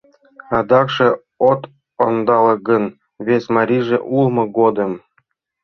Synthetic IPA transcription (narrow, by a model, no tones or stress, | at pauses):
ɑd̪ɑkʂɤ̆ | ot̪ | ond̪ɑlɤ̆ɡɤ̆n | βʲesʲmɑɾʲiʐĕʔulˠmɤ̆ɡod̪ɤ̆m